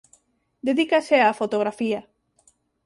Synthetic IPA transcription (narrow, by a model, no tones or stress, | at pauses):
d̪eðikaseafot̪oɣɾafia